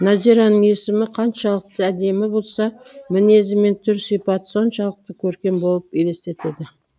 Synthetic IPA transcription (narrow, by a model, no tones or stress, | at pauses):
nɑziɾɑnəɴe̞sɪmɪqʰɑnʃɑlˠəq̚t̪əæd̪e̞mɪbo̞lˠsɑmɪne̞zɪme̞nt̪ʰʏɾsijpɑt̪so̞nʃɑlˠəq̚t̪əkʲʰɵɾkʲe̞mbo̞lˠəpele̞st̪e̞t̪e̞d̪ɪ